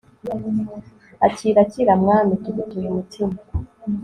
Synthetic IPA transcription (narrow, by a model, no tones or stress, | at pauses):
aciɾaciɾamŋaːmituβitujumutʰima